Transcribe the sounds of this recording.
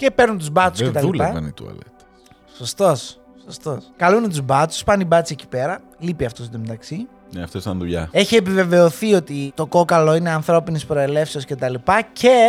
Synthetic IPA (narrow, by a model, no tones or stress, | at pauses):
ce̞peɾnunt̪uzbɐt͡s̪uscet̪ɐlilɐɐ̰nḭt̪uɐ̰let̪e | so̞st̪o̞s | sost̪oskɐlunet̪uzbɐt̪u̥spɐnibɐt͡sieci̥pe̞ɾɐ | lipiɐft̪osd̪omet̪ɐksi | neɐft̪ost̪ɐnðuʎɐ̰e̞çiepive̞ve̞oθio̞t̪it̪o̞ko̞kɐloine̞ɐnθɾo̞pinispɾo̞e̞le̞fseo̞sce̞t̪ɐlipɐce̞